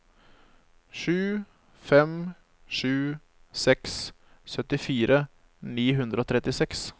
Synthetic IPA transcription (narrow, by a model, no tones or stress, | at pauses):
ʂʉː | fɛm | ʂʉː | sɛks | sœt̪ɪfiːɾʔə | niːɦʉnd̪ɾəoːt̪ʰɾɛt̪ːɪsɛks